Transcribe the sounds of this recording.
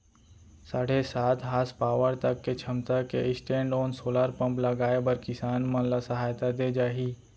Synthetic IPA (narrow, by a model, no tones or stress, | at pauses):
saːɽesaːt̪ʰɦaːspaːʋəɾt̪ɐkːet͡ʃʰɐmt̪akeɪsʈẽːɳɖoːnsoːlaːɾpɐ̃mplɐɡaːebɐɾkɪsaːnmɐ̃lasɐɦaːjt̪ad̪ed͡ʒaːɦiː